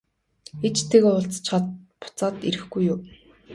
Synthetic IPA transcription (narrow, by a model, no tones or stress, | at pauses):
et͡ɕt̪ʰeɣeʊɮt͡st͡ɕχə̆t̪pʊ̥t͡saːt̪ḭɾɘ̆xɡujːʊː